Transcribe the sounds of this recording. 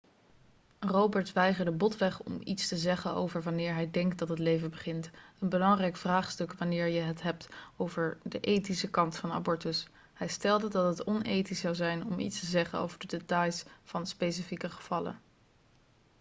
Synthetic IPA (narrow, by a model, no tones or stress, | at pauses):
rowbəɹtʋɛjχəɹdəbɔtʋɛχɔ̰mḭtstəzɛχəno̰wvəɹʋɑnɪːɹɦɛjdɛŋkt̚dɑtɦətlejvənbəχɪntənbəlɑŋrɛjkfraːχstɵkʋanɪːɹjəɦətɦɛp̚towvəɹdəʔejtisəkɑntfɑna̰bɔɹtəs | hɛjstɛlˠdədɑtɦətɔnejtisɑwzɛjnɔmʔḭtstəzɛχəno̰wvəɹdədetɑjsfɑnspejs̬ifikəχə̥v̥ɑlə̰